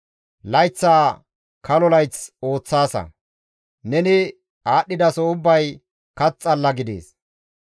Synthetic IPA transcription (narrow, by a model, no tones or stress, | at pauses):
lɐjt͡sːaː | kɐlɔlɐjt͡so̞ːt͡sːaːsɐ̰ | nɛnɪ | aːɗːɪd̪ɐsɔʊbːɐj | kɐt͡sʼːɐlːɐɡɪd̪ḛːs